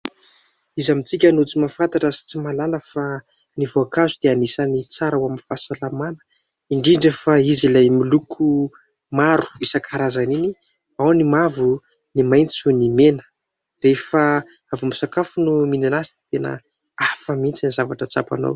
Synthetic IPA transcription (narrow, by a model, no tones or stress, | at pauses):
izamit͡sikʲanut͡simafant̪aʈ͡ʂəsi̥t͡simalaləfa | nivoakazud̪̥eanisanit͡saɾawaminfasalamanə̥ | iɳɖ͡ʐiɳɖ͡ʐefaizilajmilukʰu | maɾu̥isakʰaɾazanini | awnimavu | nimajnt͡sunimenə̥ | refə | avumisakafunumininasi̥ni̥t̪enə̰ | afəmint͡sanizavaʈ͡ʂət͡sa̰pa̰no̰w